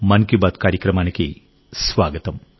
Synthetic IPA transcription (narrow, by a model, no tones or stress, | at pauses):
mɐnkibaːt̪kaːɾjɐkrɐmaːnɐkːi | sʋaːɡɐt̪ɐm